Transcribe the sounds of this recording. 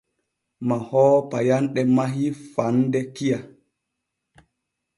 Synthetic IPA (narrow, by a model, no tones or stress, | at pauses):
mahɔːpajanɗɛmaɦifandɛkija